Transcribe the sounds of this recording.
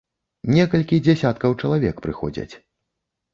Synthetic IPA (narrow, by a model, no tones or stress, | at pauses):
nʲɛkɐlʲkʲid͡zʲasʲat̪̚kɐwt͡ʂɐlˠavʲɛkpɾɨxɔ̰d͡zʲɐ̰t͡sʲ